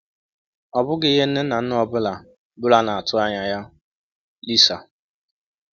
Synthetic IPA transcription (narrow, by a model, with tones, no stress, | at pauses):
ɔ˨bʊ˦ɡɪ˦ɦe˦n̩˦ne˦na˨n̩˦ʊ˦ɔ˦bʊ˦la˨ | bʊ˦la˨na˨a˨tʰʊ˦a˦ɲa˨ja˦ | li˦sa˨